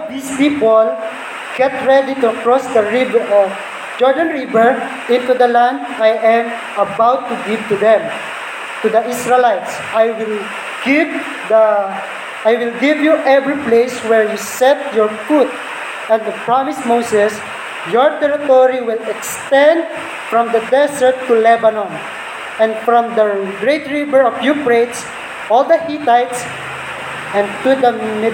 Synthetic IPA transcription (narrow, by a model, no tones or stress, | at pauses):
vd̪ispipɔl | ɡ̥ɛt̪ɹɛd̪it̪uɐkɹɔsd̪ɐɹɪbɛɹʔɔv | d͡ʒɔɹd̪ãnɹibɛɹ | ɪ̃nt̪ud̪ɐlãnd̪ajʔɛ̃m | ɐbawt̪ːuɡɪvt̪ʊd̪ɛ̃m | t̪ud̪ɐʔisɹɛlajt̪s | ʔajwɪl | ɡ̥ip̚ | d̪ɐ | ʔajwɪlɡivjuʔɛvɹiplejswɛɹjusɛt̪̚jɔɹfut̪̚ | ɛ̃nd̪əpɹamɪsmowsɛs | jɔɹt̪ɛɹɪt̪ɔɹiwɪlɛkst̪ɛ̃nd̪̚ | fɹɔ̃md̪ɐd̪ɛsəɹt̪ːulɛbanɔ̃n | ɛ̃nfɹɔ̃md̪ɐɡɹejt̪ɹivɛɹɔfjupɹet̪s | ʔɔld̪ɐhit̪ajt̪s | ʔɛ̃nt̪ud̪ɐm